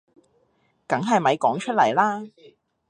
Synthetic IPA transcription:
kɐ˨˥ŋɦɐ˨jmɐ˨˧jkɔː˨˥ŋt͡ʃʰɵ˥t̚lɐ˨˩jlaː˥

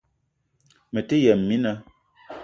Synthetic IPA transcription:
mə˨te˦jɛ˨mː˨i˦nə˨

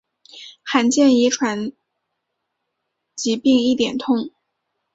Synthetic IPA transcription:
xa˧˥nt͡ɕjɛ˥˩ni˧˥ʈ͡ʂʰwa˧˥n | t͡ɕi˧˥pi˥˧ŋi˥˩t̪jɛ̰˨˩nt̪ʰʊ˥˧ŋ

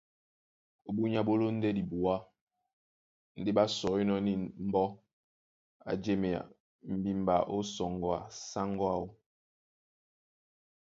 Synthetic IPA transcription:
o˨bu˦ɲa˦bo˦lo˦n̩˦dɛ˦di˨bu˨a˦ | n̩˦de˦ba˦sɔ˨˦i˦nɔ˦ni˨m̩˦bɔ˦ | a̰˨d͡ʒe˦me˨a̰˨ | m̩˨bi˦m˨ba˨ʔo˦sɔ˨ŋɡɔ˨a̰˨sa˦ŋɡɔ˦a˦˨o˦

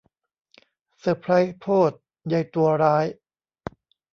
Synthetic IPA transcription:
sa˧˩pʰɾa˦˥jpʰoː˥˩t̪̚ | ja˧jt̪u˧ɐɾaː˦˥j

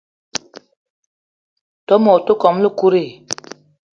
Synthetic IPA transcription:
tɔ˦mɔ˨to˦kɔ˨˦mlu˦ku˦ɾe˦˨

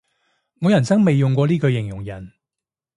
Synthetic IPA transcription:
ŋɔː˨˧jɐ˨˩nt͡sɐ˥ŋme˨jːʊ˨ŋkʷɔː˧liː˥kɵ˧ɥjɪ˨˩ŋjʊ˨˩ŋjɐ˨˩n

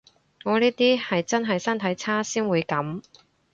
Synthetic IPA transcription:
ŋɔː˨˧niː˥t̪iː˥hɐ˨jt͡sɐ˥nɦɐ˨jsɐ˥nt̪ʰɐ˨˥jt͡sʰaː˥siː˥nwuː˨˧jkɐ˨˥m

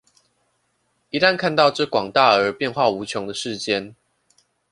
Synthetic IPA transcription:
i˨˦t̪a˥˧nkʰa˥˧nt̪ɑ˥˧ʊʈ͡ʂɤ˥˨kwɑ˨˩ŋt̪a˥˩ə˞˨˥pjɛ˥˧nxwa˥˩u˧˥t͡ɕʰjɔ˧˦ŋd̪ə˨ʂɻ̩˥˩t͡ɕjɛ˦n

